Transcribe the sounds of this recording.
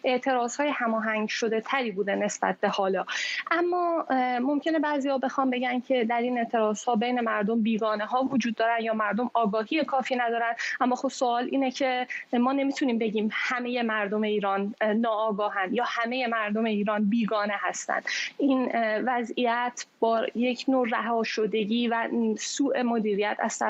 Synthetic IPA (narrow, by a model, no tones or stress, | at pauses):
ʔeʔt̪ʰe̞ɾɒːz̥hɒːjehæmɒːɦæŋɟʃo̞d̪e̞t̪ʰæɾiːbuːd̪ene̞sb̥æ̰t̪̚ʰbe̞hɒːlɒːʔæmːɒːmo̞mcʰe̞ne̞bæːziːhɒːbe̞xɒːnbe̞ɟæncʰe̞d̪æɾiːne̞ʔt̪ʰe̞ɾɒːz̥hɒːbe̞jne̞mæɾd̪o̞mbiːɡɒːne̞ɦɒːvod͡ʒuːd̪̚ːɒːɾænd̪jɒːmæɾd̪o̞mɒːɡɒːɦijekʰɒːfiːnæd̪ɒːɾænd̪æmːɒːxob̥soɒːlʔḭːnecʰemɒːne̞miːt̪ʰuniːmbe̞ɟiːmhæme̞je̞mæɾd̪o̞me̞iːɾɒːnːɒːɡɒːɦænd̪jɒːhæme̞je̞mæɾd̪ome̞iːɾɒːnbiːɡɒːne̞ɦæst̪æ̰nd̪̥ʔiːnvæzijæt̪ʰb̥ɒːje̞cʰnoːɾæɦɒːʃod̪e̞ɟiːvæsuːʔe̞mod̪iːɾijæt̪ʰæ̰z̥t̪æ